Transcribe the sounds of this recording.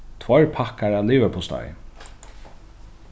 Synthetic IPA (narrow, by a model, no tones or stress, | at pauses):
t̪ʰvɔɹpʰakaɹaːliːʋəpʰɔst̪a̰j